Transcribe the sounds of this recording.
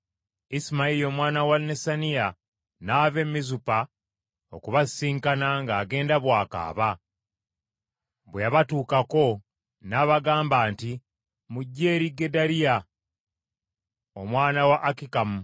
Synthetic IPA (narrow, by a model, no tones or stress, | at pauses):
ismaiɾio̞mwaːnawanesanija | naːβe̞mːizupa | okuβasiːŋkanaŋɡaːɡe̞ːndaβwaːka̰ːβa | βwejaβatuːkako̞ | naːβaɡaːmbaːnti | muɟːeːɾiɡedaɾija | omwaːnawaʔːkikamu